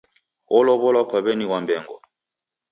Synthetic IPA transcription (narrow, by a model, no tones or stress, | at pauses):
ɔlɔβɔlakwaβɛniwambɛŋɡɔ̰